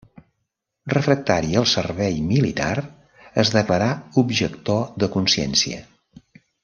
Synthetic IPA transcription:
rəfɾək̚t̪aɾiəlˠsərβɛjmilit̪a̰r | əzðəkləɾaubʒəkt̪oðəkunsɛ̰nsiə̰

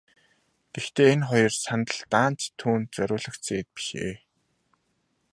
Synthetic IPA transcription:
ɡ̥ext̪eːenχɔjɞ̆rsant̪ə̆ɮt̪aːnt͡ɕt̪ʰːuːnt̪̚t͡sœɾʲʊːɮə̆kt͡seːt̪̚pi̥ʃḛː

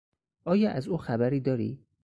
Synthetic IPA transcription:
ʔɒːjɒːʔæzuːxæbæɾiːd̪ɒːɾḭː

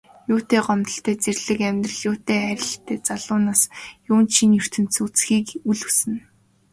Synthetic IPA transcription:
jʊːt̪eːɢɔmt̪ə̆ɬt̪æːt͡serɮɘ̆kæmʲt̪rə̆ɮjʊːt̪eːæɾʲɪ̆ɬt̪ʰeːt͡saɮʊːnaːsjʊːnt͡ɕʰinjɵr̥t̪ɘ̆n̥sut͡sxiːkuɮusɘ̆n

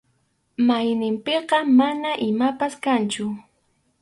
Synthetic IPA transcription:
majnɪmpeqɑmanaʔɪmapaskant͡ʃʊ

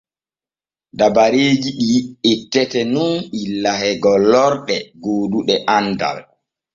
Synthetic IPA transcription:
dabaɾeːd͡ʒiɗijietːɛtɛnunɓilːahɛɡɔlːɔɾɗɛɡoːduɗɛʔanda̰l

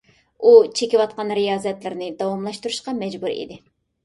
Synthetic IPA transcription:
ut͡ʃʰekʲiwɑt̪̚qɑnɾijɑːzɛt̪lɪɾnɪd̪ɑwɑmlˠɑʃt̪uɾuʃqɑmɛd͡ʒbuɾḭd̪ɪ

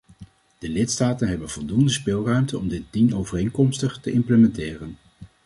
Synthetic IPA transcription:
d̥əlɪtstaːtənɦɛbənvɔlˠdundəspɪlˠrœɥmtəɔmdɪt̚dinowvərejŋkɔmstəχtəʔɪmpləmɛntɪːrən

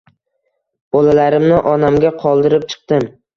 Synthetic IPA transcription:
b̥ɒlalaɾɪmnɪʔɒnamɡʲaqʰɒlˠd̪ɪɾɪp̚t͡ʃʰɨ̥qt̪ɪm

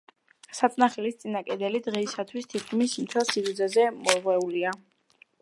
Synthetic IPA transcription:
sat̪sʼnaχɛlist̪sʼinakʼɛd̪ɛlid̪ʁɛisat̪ʰwist̪ʰit̪̚ʰkʰʼmismt̪ʰɛlˠsivud̪zazɛmɔʁwɛulia

